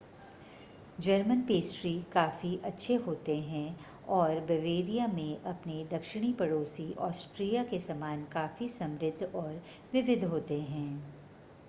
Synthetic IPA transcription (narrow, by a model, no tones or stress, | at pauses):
d͡ʒɐɾmənpeːsʈɾikaːfiʔɐtːʃʰeɦoːt̪eɦɛ̃ | ɔːɾbɛʋeːɾijamẽʔɐpnid̪ɐkʃɪɽ̃ipɐɽoːsiʔɔːsʈɾijakesɐmaːnkaːfisɐ̃mɾɪd̪ʱːɔːɾ | ʋɪʋɪd̪ʱɦoːt̪eɦɛ̃ː